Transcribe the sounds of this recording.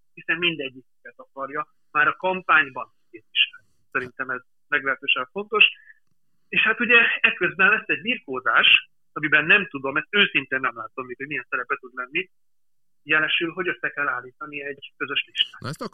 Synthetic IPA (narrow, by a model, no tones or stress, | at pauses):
hisɛnːind̪ɛɟːikikɛt̪ɒkɒrjɒ | maːɾɒkɒmpaːɲbɒnkeːt̪iʃlɛnːisɛɾint̪ɛmɛz | mɛɡlɛɦɛt̪øːʃɛɱfo̞nt̪o̞ʃ | eːʃhat̪uɟɛɛkːøzbɛnlɛsːɛɟbirkoːzaːʃ | ɒmibɛnːɛmt̪ud̪o̞mɛst̪øːsint̪eːnːɛmlaːt̪omːikho̞ɟmijɛnsɛɾɛpɛt̪ud̪lɛnːi | jɛlɛʃylɦo̞ɟøslɛkɛlːaːlːiːt̪ɒniɛɟkø̞zøʃliʃt̪aːks